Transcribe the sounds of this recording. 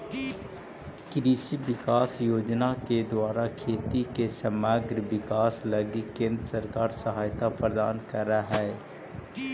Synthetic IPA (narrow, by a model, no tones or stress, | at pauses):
kɾiːʃiʋɪkaːsjoːd͡ʒnaked̪waːɾakʰeːt̪ikesəmaːɡɾəʋɪkaːslɐɡikẽːnd̪ɾəsəɾkaːɾsəɦaːjt̪apɾəd̪aːnkəɾaɦɛː